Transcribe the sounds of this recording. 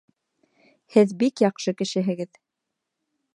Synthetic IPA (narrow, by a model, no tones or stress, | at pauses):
hɘðbikjɑqʃɤkɘ̆ʃɘ̆ɦɘ̆ɡɘð